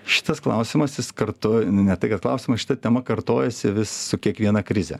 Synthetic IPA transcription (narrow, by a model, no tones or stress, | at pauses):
ʃʲɪ̥t̪ɐsklˠɐʊsʲɪmɐsjɪskɐrt̪ʊnʊnʲɛt̪ɐɪkɐt̪klˠɐʊsʲɪmɐsʃʲɪ̥t̪ɐt̪ʲɛmɐkɐrt̪oːjɛsʲɪʋʲɪsːʊkʲiɛkʋʲiɛnɐkɾʲɪzʲɛ̰